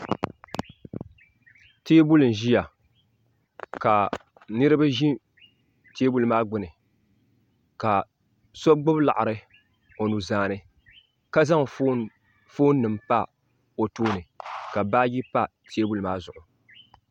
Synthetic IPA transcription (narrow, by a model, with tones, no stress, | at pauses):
teː˦bu˦lɨ˨n̩˨ʒi˦ja˨ | ka˨ | nɨ˦ɾɨ˦ba˦ʒi˦ | teː˦bu˦lmaː˦ɡ͡bʊ˦nɨ˨ | ka˨ | sɔ˦ɡ͡bʊ˦bla̰˨ʔa˨ɾɨ˨ | o˨nu˨zaː˨nɨ˦ | ka˦za˦ŋ | foː˦nː˦ɨ˨mpa˦ | o˨toː˦nɨ˨ka˨ba˦ji˦pa˦ | tʰe˦bu˦lɨ˨maː˦zʊ˨ʔʊ˨